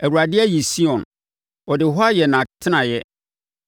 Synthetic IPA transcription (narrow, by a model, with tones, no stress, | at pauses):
æ˨wu˨ɾa˨dɪ˦ɛ˦ji˨si˦ɔ̃˨n | ɔ˨dɪ˨ɦɔ˦a˦jɛ˨nã˨tʰɪ˦nã˨jɛ˦